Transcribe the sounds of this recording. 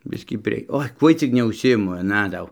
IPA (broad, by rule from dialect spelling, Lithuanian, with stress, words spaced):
ˈbʲɪsʲkʲiː pʲrʲiɛ ˈoːɪ ˈkuɔj t͡sʲɪk nʲɛʊʃʲsʲɪˈɪmʊ ɐˈnɐ ˈdɐʊ